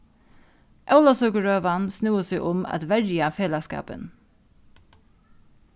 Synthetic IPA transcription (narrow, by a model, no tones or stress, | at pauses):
ʔaʊlasœkəɹøːʋansnuːəsɪʔʊma̰t̪ʋɛɹjafeːlaskɑ̰ːpə̰n